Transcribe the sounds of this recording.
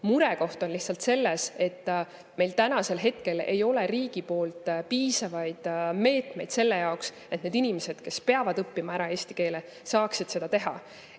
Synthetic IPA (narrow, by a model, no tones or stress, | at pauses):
muɾeko̞ht̪o̞nliht̪sɑlt̪se̞lːese̞t̪ː | me̞jlt̪ænɑse̞lɦe̞t̪ke̞le̞̰jo̞leriːɡ̥ipo̞ːlt̪ˑpiːsɑvɑjd̪̥me̞ːt̪ˑme̞jd̪se̞lːejɑoks | e̞t̪ned̪inʲimese̞d̪̥ke̞spe̞ɑvɑd̪ɤpːimɑæɾɑe̞ːsʲt̪ike̞ːle | sɑːksid̪̥se̞d̪ɑt̪e̞ɦɑ̰